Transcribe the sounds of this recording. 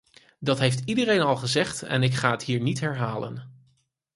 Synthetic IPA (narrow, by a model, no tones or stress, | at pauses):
dɑtɦejftidərejnɑlˠχəzɛχtɛ̰nɪkχaːətɦiːɹnitɦɛɹɦaːlə̰n